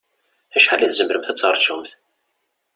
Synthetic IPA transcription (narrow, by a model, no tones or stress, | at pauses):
æʃħalæθzəmɾəmθæt͡sːəɾˤsumθ